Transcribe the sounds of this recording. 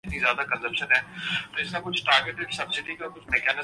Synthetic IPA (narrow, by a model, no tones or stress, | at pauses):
t̪nizjaːd̪akə̃nzəbʃənɦɛːt̪oɪsnakʊt͡ʃʰʈaːɾɡeʈɪksɐbsɪɖikakʊt͡ʃʰmɛːkɛːnɪ